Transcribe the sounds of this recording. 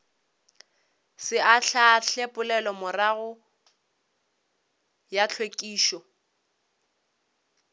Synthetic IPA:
sɪaɬʰaɬepʼʊlɛlɔmʊraɣʊ | jat͡ɬʰwekʼiːʃɔ

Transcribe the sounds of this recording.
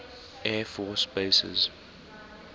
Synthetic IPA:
ɛːfɔːsbeɪsə̰z̥

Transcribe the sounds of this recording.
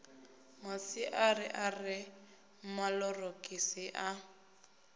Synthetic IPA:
masɪʔarɪʔarɪ | m̩malɔrokʼisiʔa

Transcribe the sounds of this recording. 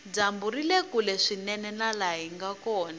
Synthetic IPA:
d͡zambuɾilekulɛʂinɛnɛnalaɦiŋɡakɔːna

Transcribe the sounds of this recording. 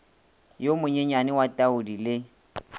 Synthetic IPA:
jomʊɲɛɲanɪwatʼaʊdilɪ

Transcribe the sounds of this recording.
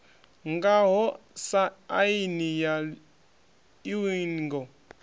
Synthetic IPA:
ŋɡaɦɔsaainija | iwinɡɔ

